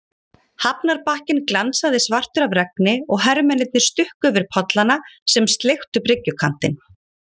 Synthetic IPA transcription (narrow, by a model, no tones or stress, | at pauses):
hapnaɾpahcɪnklansaðɪsvar̥t̪ʏɾavrɛk̚nɪɔɣɦɛɾmɛnɪt̪̚nɪst̪ʏhkʏvɪɾ̥pʰɔt̪lanasɛmst̪lext̪ʏprɾɪcːʏkʰan̥t̪ɪ̰n